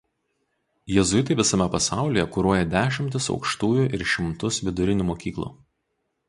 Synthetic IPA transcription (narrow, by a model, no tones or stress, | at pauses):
jɛzʊjt̪̬ɐɪʋʲɪsɐmʲɛpɐsɑˑʊlʲiːˑjɛkuːɾuɔjɛd̪ʲæːʃʲɪmʲt̪ʲɪsɒ̰ʊkʃt̪uːjʊʔɪɾʃʲɪmt̪ʊsʋʲɪd̪ʊɾʲɪnʲuːmoːkʲiːklˠṵː